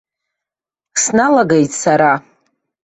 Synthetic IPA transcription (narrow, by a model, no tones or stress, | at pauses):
snalaɡejtʼsaɾa